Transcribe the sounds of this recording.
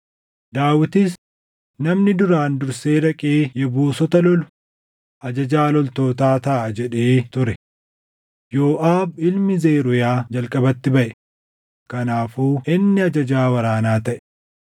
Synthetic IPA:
d̪aːwɪt̪ɪs | nɐmnɪd̪ʊɾaːnd̪ʊɾseːɾɐkʼeːjɛbuːsɔt̪ɐlɔlʊ̥ | ʔɐd͡ʒɐd͡ʒaːlɔlt̪o̞ːt̪aːt̪ɐʔɐd͡ʒɛᶑe̞ːt̪ʊɾɛ | jo̞ːʔaːbɪlmɪzeːɾʊjaːd͡ʒɐlkʼɐbɐt̪ːɪbɐʔɛ | kɐnaːfuːʔɪnːɪɐd͡ʒɐd͡ʒaːwɐɾaːnaːt̪ɐʔɛ̥

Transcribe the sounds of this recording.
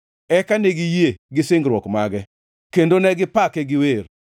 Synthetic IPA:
ɛkaneɡijeɡɪsɪŋɡɾwɔkmaɡɛ | kendonɛɡɪpakɛɡɪwer

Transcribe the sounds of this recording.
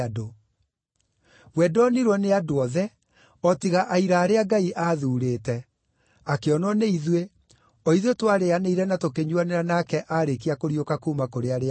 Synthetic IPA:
do | wɛdɔniɾwɔneadoɔðɛ | ɔtiɣaʔaiɾaːɾeaɡaiʔaðuːɾeːtɛ | akeɔnɔneiðwe | ɔiðwetwaɾeaneiɾɛnatokeɲwaneɾanakɛʔaɾek̬iakoɾiokakuːmakoɾeaɾe

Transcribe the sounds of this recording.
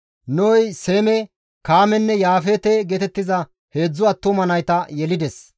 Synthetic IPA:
noːjseːmɛ | kaːmɛnːɛjaːfeːt̪ɛɡɛt̪ɛt̪ːɪzɐ | he̞ːd͡zːʊɐt̪ːʊmɐnɐjt̪ɐjɛlɪd̪ɛs

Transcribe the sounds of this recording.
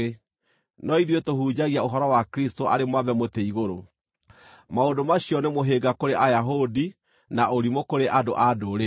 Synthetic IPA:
nɔiðwetohuːd͡ʑaɣiaoɦɔɾɔwakɾistoʔaɾemwavɛmoteiɣoɾo | maondomaɕiɔnemoɦeɡakoɾeʔajaɦodi | naʔoɾimokoɾeʔadoʔadoɾe

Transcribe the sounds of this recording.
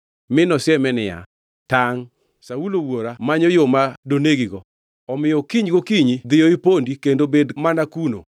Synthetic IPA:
mɪnɔsɪɛmɛnɪja̰ | taŋ | saulowoɾamaɲɔjomadoneɡiɡɔ | ɔmɪjɔkiɲɡokiɲid̪ɪjɔipondikendobedmanakuno̰

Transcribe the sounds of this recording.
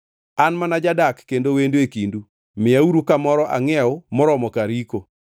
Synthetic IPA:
anmanad͡ʒadakːendowenduekindu | mɪauɾukamɔɾɔʔaŋɛʊmɔɾɔmɔkaɾiko

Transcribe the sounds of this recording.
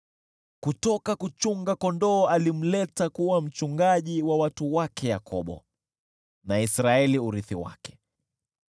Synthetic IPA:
kutɔkakut͡ʃuŋɡakɔndɔːalim̩lɛtakuwam̩t͡ʃuŋɡaʄiwawatuwakʰɛja̰kʰɔɓɔ̰ | naisɾaɛliuɾiθiwa̰kɛ̥

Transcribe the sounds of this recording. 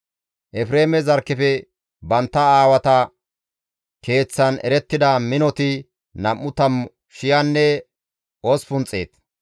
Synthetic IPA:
ʔɛfɾe̞ːmɛzɐɾkːɪfɛ | bɐnt̪ːɐaːwɐt̪ɐ | ke̞ːt͡sːɐnɛ̰ɾɛt̪ːɪd̪ɐmɪnɔt̪ɪ | nɐmːʊt̪ɐm | ʃɪjɐnːɛ | ospʊnt͡sʼːḛːt̪

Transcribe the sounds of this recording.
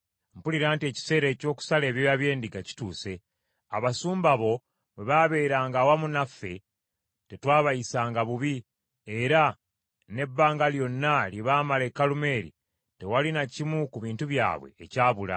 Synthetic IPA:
mpuliɾaːntie̞ːci̥se̞ːɾe̞ːco̞ːku̥sale̞ːβjo̞jaβje̞ːndiɡaci̥tuːse̞ | aβasuːmbaβo̞ | βeβaβe̞ːɾaːŋɡawamunafːe̞ | te̞twaːβajisaːŋɡaβuβi | eɾa | ne̞bːaːŋɡaljo̞nːaljeβaːmalekːalume̞ːɾḭ | te̞walinacimukuβiːntuβja̰ːβwe̞̰ːcaːβula̰

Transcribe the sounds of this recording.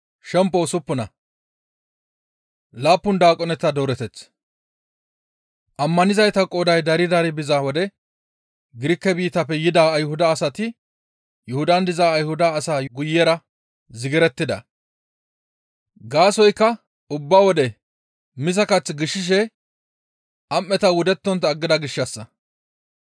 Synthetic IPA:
ʃɛmpːɔsʊpːʊnɐ | laːpːʊnd̪aːkʼɔnɛt̪ːɐd̪oːɾɛt̪ɛt͡sː | ʔɐmːɐnɪzɐjt̪ɐkʼːoːd̪ɐjd̪ɐɾɪd̪ɐɾɪbɪzawɔd̪ɛ | ɡɪɾɪkːɛbiːt̪ɐpːɛjɪd̪aːɐjhʊd̪ɐːsɐt̪ɪ | jɛhʊd̪ɐnd̪ɪzaːjhʊd̪ɐːsaːɡʊjːɛɾɐ | zɪɡɪɾɛt̪ːɪd̪ɐ̰ | ɡaːsɔjkːɐ | ʊbːawɔd̪ɛ | mɪzɐkɐt͡sːɡɪʃːɪʃ̬ɛ | ʔɐmːɛt̪ɐwʊd̪ɛt̪ːɔnt̪ːɐɡːɪd̪ɐɡɪʃːɐsːɐ

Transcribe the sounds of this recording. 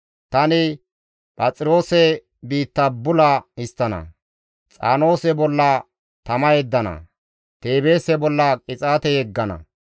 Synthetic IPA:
t̪ɐnɪ | pʼɐt͡sʼɪɾo̞ːsɛ | biːt̪ːɐbʊlɐɪst̪ːɐnɐ̰ | t͡sʼa̰ːno̞ːsɛbɔlːɐ | t̪ɐmɐjɛd̪ːɐnɐ̰ | t̪e̞ːbeːsɛbɔlːɐkʼɪt͡sʼaːt̪ɛjɛɡːɐnɐ̰

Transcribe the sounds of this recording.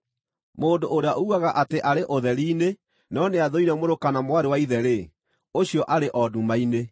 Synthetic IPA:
moːndoʔoɾeaʔouaɣaʔateʔaɾeʔoðɛɾiːne | nɔneaðoiɾɛmoɾokanamwaɾewaiðɛɾe | oɕijɔʔaɾeʔɔdumaine

